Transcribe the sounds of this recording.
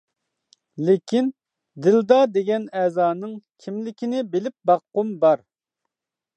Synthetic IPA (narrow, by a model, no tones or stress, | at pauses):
lekʲin | d̪ɪld̪ɑd̪eɡʲɛnɛːzɑːnɨŋkʲʰimlɪkʲinɪbelɪp̚bɑqːʊmbɑɾ